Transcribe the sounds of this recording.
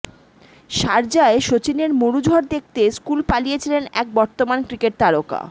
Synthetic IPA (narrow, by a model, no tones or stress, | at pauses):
ʃaɾd͡ʑaeʃot͡ɕineɾmoɾud͡ʑʱɔɾd̪ek̚ʰt̪eskulpalijet͡ɕʰilenɛk̚bɔɾt̪omankɾikeʈ̚t̪aɾoka̰